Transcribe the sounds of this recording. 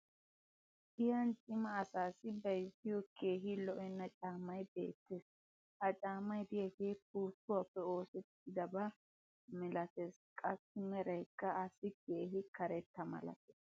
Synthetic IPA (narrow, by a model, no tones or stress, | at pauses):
ʔɪjɐnt͡ʃʼɪmɐːsaːsɪbɐjsɪjɔkʰe̞ːɦɪlɔʔɛnːɐt͡ʃʼaːmɐjbe̞̰ːt̪ːes | ʔɐt͡ʃʼaːmɐjd̪ɪjɐkeːpuːt̪ːʊwapːɛo̞ːsɛt̪ːɪd̪ɐbɐ | mɛlɐt̪eskʼɐsɪmɛɾɐjkːɐːsɪke̞ːɦɪkɐɾɛt̪ːɐmɐ̰lɐ̰t̪ɛs